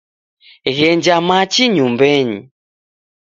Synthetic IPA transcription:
ɣɛɲd͡ʒamat͡ʃiɲumbɛɲḭ

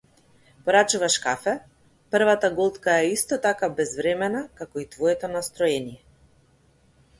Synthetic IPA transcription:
pɔɾat͡ʃuvaʃkafɛ | pr̩vat̪aɡɔlˠt̪kaɛist̪ɔt̪akabɛzvɾɛmɛnakakɔit̪vɔɛt̪ɔnast̪ɾɔɛnijɛ

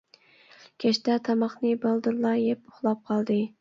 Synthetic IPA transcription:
kʲʰɛʃt̪ɛt̪ʰɑmɑχnɨbɑlˠd̪uɾlˠɑjɛpʊ̥χlˠɑp̚qʰɑlˠd̪ɨ

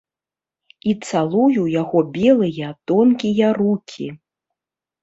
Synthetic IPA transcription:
it̪salˠujujaɣɔbʲɛlˠɨjɐt̪ɔnkʲijɐrukʲʰḭ

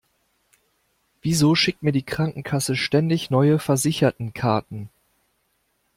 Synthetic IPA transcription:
v̥iːzoːʃɪk̚tmiːɐdiːkʁ̥aŋkŋ̩kʰasəʃtɛndɪçnɔʏəfɛɐzɪçɐtn̩kʰaɐtn̩

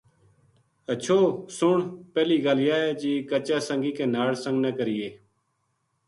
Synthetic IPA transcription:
ət͡ʃʰoːsʊɳpɛːliːɡaːljaːeːd͡ʒiːkət͡ʃaːsəŋɡiːkẽːnaːɽsə̃ŋɡnəːkəɾɪːeː

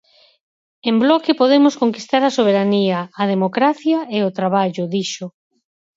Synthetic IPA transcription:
emblɔkɪpoðemʊskoŋkist̪aɾɐsoβ̞eɾaniɐːð̞emokɾaθjɐeot̪ɾaβaʎʊðiʃʊ

